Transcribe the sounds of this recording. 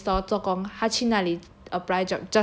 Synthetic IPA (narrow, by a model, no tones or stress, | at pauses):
sɔt͡sɔkɔŋhat͡ʃʰinali | əpɹajd͡ʒɔk̚d͡ʒa